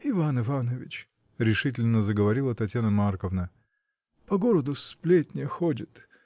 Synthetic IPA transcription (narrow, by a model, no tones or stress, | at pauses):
ɪvanɨvanəvʲɪt͡ɕ | ɾʲɪʂɨtʲɪlʲnəzəɡəvɐɾʲilˠət̪ɐtʲjanəmarkəvnə | pɐɡoɾəd̪ʊsplʲetʲnʲɪəxodʲɪt̪